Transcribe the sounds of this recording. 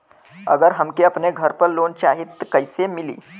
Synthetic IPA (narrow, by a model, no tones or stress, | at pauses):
ə̰ɡəɾɦəmkiəpneɡʱəɾpəɾlont͡ɕaɦit̪ːkəjsemilḭː